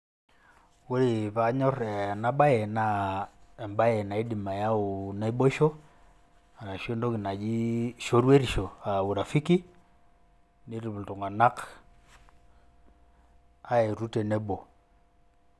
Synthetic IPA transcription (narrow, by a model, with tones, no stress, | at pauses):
wu˦ɾi˨βa˦ɲɔ˦rɛ˨na˦ɓa˦je˨na˦ɛ˨mba˦jɛ˨na˨i˦di˨ma˨ja˦o˨na˨˦i˦bo˦ʃo˦ | a˨na˨ʃo˦ndo˦ki˨na˨d͡ʒi˦ʃo˦ɾwe˦ɾi˨ʃo˨a˨u˨ɾa˨fi˦ki˦ | ni˦ɾi˨βu˨lto˨ŋɡa˨na˦k | a˦e˨ɾu˦tɛ˨nɛ˦bo˨